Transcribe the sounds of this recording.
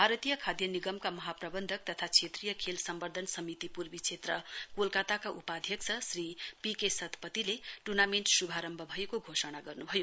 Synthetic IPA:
bʱaɾʌt̪ijʌkʰad̪jʌniɡʌmkamʌɦaprʌbʌnd̪ʱʌk̚t̪ʌt̪ʰat͡sʰet̪rijʌkʰelsʌmbʌrd̪ʱʌnsʌmit̪ipurbit͡sʰet̪rʌkolkat̪akaʔupad̪ʱjʌksʰʌsripikesʌt̪ʰpʌt̪ileʈurnameɳʈsubʱaɾʌmbʱʌbʱʌjekoɡʱosʌnaɡʌrnubʱʌjo

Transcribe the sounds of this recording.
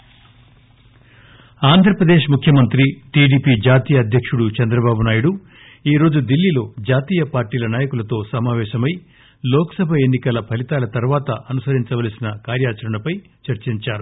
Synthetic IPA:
aːnd̪ʱɾɐpɾɐd̪e̞ːʃmukʰjɐmɐnt̪ɾiʈiːɽiːpiːd͡ʒaːt̪iːjɐːd̪ʱjɐkʂuɽut͡ʃɛnd̪ɾɐbaːbunaːjuɽu | iːɾo̞ːd͡ʒud̪ilːilo̞ːd͡ʒaːt̪iːjɐpaːɾʈiːlɐnaːjɐkulɐt̪o̞ːsɐmaːʋɛːʃɐmɐj | lɔːkɐ̥sɐbʱɐe̞nːikɐlɐpʰɐlit̪aːlɐt̪ɐɾʋaːt̪ɐʔɐnusɐɾiɲt͡ʃɐʋaːlsinɐkaːɾjaːt͡ʃɐɾɐɳɐpɐj | t͡ʃɐɾt͡ʃiɲt͡ʃaːɾu

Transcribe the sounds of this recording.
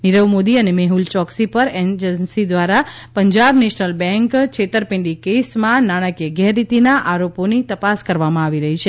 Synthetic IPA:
niɾəʋmod̪iənemeɦult͡ʃɔksipəɾend͡ʒənsid̪ʋaɾa | pəɲd͡ʒabneʃnəlbɛ̃ŋkt͡ʃʰet̪əɾpɪ̃ɳɖikesmãnaɽ̃əkeɡɛɾːit̪inaʔaɾoponit̪əpaskəɾʋamãaʋiɾəɦit͡ʃʰe

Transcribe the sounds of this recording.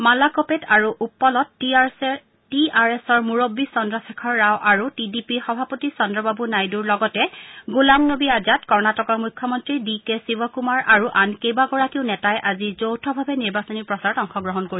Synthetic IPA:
malakopetaɹuʔupːɔlɔt | tiaɹesɔɹmuɹobːisɔndɹɔsɛkʰɔɹːawʔaɹutidipixɔbʱapotisɔndɹɔbabunajduɹlɔɡɔtɛɡulaŋnobiazatkɔɹnatɔkɔɹmujkʰːjɔmɔntɹidikesibɔkumaɹʔaɹuʔankejbaɡɔɹakiʊnɛtajɛʔazizowtʰɔbʱabɛniɹbasɔniɹpɹɔsaɹɔtɔŋxɔɡɹɔɦɔnkoɹis

